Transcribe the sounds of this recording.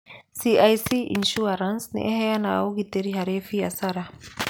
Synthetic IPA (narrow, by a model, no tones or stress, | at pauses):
siajsiʔḭnʃuaɾansnḭʔɛhɛanaːuɣitɛɾiɦaɾefijasaɾa